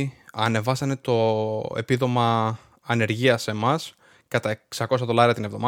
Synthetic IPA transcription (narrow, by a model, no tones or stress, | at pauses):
ɐne̞vɐsɐne̞t̪o̞e̞̰piðo̞mɐː | ne̞ɾʝiɐse̞mɐs | kɐt̪ɐeksɐko̞sɐðo̞lɐɾiɐt̪inevðo̞mɐ